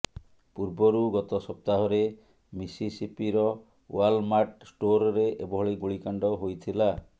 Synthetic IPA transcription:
puɾbɔɾuɡɔt̪ɔsɔp̚t̪aɦɔɾe | misisipiɾɔ | walmaʈsʈoɾɔɾeʔebɔɦɔɭiɡuɭikaɳɖɔɦojt̪ʰila

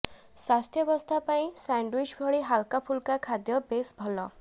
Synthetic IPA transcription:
swast̪ʰjɔbɔst̪ʰapaĩsaɳɖwit͡ʃbʱɔɭiɦalkapʰulkakʰad̪jɔbesbʱɔlɔ

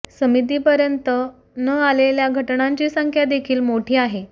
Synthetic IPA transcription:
səmit̪̬iːpəɾjənt̪ə | nəaleljaɡʱəʈɳaɲt͡ɕiːsəŋkʰjad̪ekʰiːlmoʈʰiːaɦe

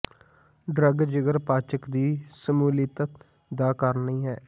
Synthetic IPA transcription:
ɖɾəɡd͡ʒəɡəɾpaːt͡ʃəkd̪iːsəmuːlɪt̪ə | d̪aːkəɾnĩːɦɛː

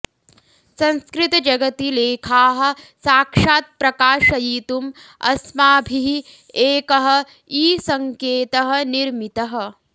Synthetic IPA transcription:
sɐ̃nskɾɪt̪ɐd͡ʒɐɡɐt̪ileːkʰaːɦɐ̆saːkʂaːt̪̚pɾɐkaːʃɐjiːt̪umɐ̰smaːbʱiɦi | eːkɐɦɐ̆ | iːsɐŋkeːt̪ɐɦɐ̆niɾmit̪ɐɦɐ̆

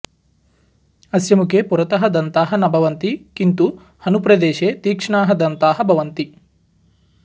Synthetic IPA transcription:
ɐsjɐmukepuɾɐt̪ɐɦɐd̪ɐnt̪aːɦɐnɐbʱɐʋɐnt̪ikint̪u | hɐnupɾɐd̪eːʃeːt̪iːkʂɐɳaːɦɐd̪ɐnt̪aːɦɐbʱɐʋɐnt̪i

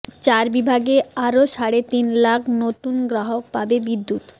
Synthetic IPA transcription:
t͡ɕaɾbibʱaɡeaɾoʃaɽet̪inlakʰnot̪unɡɾaɦok̚pabebid̪ːut̪

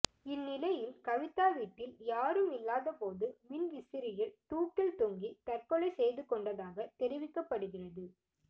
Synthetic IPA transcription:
ɪnːɪlɐjɪlkɐʋɪt̪ːaːʋiːʈːɪljaːɾɯmɪlːaːðɐpoːðɯmɪnʋɪsɪɾɪjɪɭt̪uːkːɪlt̪ʊŋɡit̪ɐrkɔɭɐɪsɛjðɯkɔɳɖɐðaːɣɐt̪ɛɾɪʋɪkːɐpːɐɽɯɣɪrɐðɯ

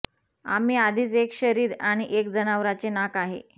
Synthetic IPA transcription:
a̰m̤iːad̪ʱiːt͡sekɕəɾiːɾaɽ̃iʔek̚d͡zənaʋɾat͡senakaɦḛ

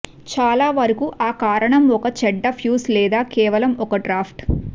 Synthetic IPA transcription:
t͡ʃaːlaːʋɐɾɐkuʔaːkaːɾɐɳɐmɔkɐt͡ʃɛɖːɐpʰjuːslɛːd̪aːkɛːʋɐlɐmɔkɐɖɾaːpʰʈ

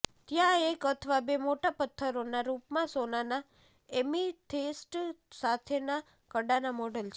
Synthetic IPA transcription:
t̪jãekət̪ʰəʋabemoʈapət̪ʰːəɾonaɾupmãsonana | emiʈʰesʈsat̪ʰena | kəɖanamɔɖəlt͡ʃʰe

